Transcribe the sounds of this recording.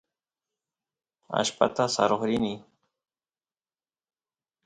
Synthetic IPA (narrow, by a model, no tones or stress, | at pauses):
a̰ʃpa̰t̪asaɾoχɾɪnɪ